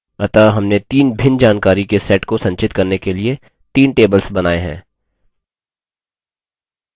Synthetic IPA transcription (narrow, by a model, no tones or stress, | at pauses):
ɐt̪aɦɐmnet̪iːnbʱɪnd͡ʒaːnkaːɾikesɛːʈkosɐ̃ɲt͡ʃɪt̪kɐɾnekelie | t̪iːnʈeːbəlsbɐnaːeɦɛ̰̃ː